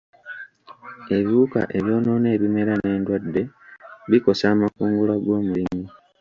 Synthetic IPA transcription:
e̞βuːka̰ʔe̞βjo̞ːno̞ne̞ːβime̞ɾane̞ːndwadːe̞βiko̞saːmakuːŋɡulaɡo̞ːmulimi

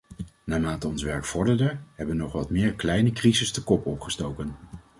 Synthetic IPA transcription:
naːmaːtəɔnsʋɛɹkfɔɹdəɹdəɹɦɛbəʋənɔχʋɑtmɪːɹklɛjnəkrizəstəkɔpɔpχəstowkən

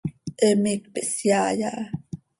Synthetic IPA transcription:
ʔəmik̚pəʔsjajaʔ

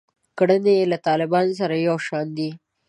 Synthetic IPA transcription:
kɽənelat̪ɑlɪbɑnos̬aɾajawʃɑnd̪i

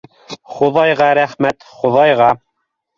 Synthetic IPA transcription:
χoðɑjʁɑɾæχmæt̪χoðɑjʁɑ

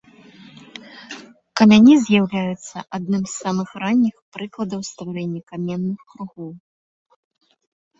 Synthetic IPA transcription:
kɐmʲanʲizʲjawlʲajut̪sːɐʔad̪̚nɨmzsamɨxranʲːixpɾɨklˠɐd̪ɐwst̪vaɾɛnʲːɐkamʲɛnːɨxkɾuɣɔw

